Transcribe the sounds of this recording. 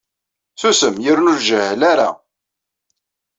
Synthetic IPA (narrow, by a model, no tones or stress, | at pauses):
θusəmjəɾnulʒəhəlaɾa̰